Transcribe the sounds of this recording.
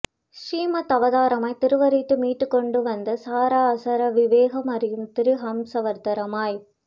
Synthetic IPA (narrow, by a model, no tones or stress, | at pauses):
ʂiːmɐt̪ːɐʋɐðaːɾɐmɐɪt̪ɪɾɯʋɐɾiʈːɯmiːʈːɯkːɔɳɖɯʋɐnd̪ɐsaːɾaɐsɐɾɐʋɪʋeːɣɐmɐɾɪjɯmt̪ɪɾɯɦɐmsɐʋɐɾt̪ɐɾɐmaːj